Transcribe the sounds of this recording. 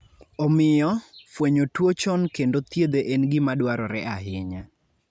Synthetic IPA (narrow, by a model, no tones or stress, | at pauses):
ɔmɪjɔfweɲotwot͡ʃɔnkendot̪jed̪eʔenɡɪmadwaɾɔɾɛʔaɦɪɲa